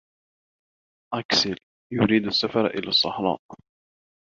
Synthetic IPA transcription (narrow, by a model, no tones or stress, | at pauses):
ʔaksɪl | jʊɾiːd̪asːafɑɾˤʔɪ̰la̰sˤːɑħɾˤɑ̰ːʔ